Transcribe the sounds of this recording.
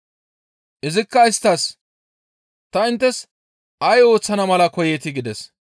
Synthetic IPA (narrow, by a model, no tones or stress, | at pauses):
ʔɪzɪkːɐɪst̪ːɐs | t̪ɐɪnt̪ːɛs | ɐjo̞ːt͡sːɐnɐmɐlɐkɔjɛt̪ɪɡɪd̪ɛs